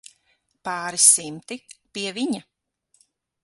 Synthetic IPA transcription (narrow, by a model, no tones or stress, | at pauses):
paːɾisimt̪ipiɛviɲa